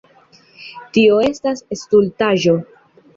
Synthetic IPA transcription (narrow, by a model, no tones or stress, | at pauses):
tio̞e̞stasestultaʒo̞